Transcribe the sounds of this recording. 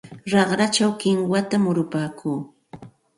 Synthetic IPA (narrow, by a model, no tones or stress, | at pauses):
ɾɑχɾat͡ʃawkɪŋwat̪amʊɾʊpaːkʰuː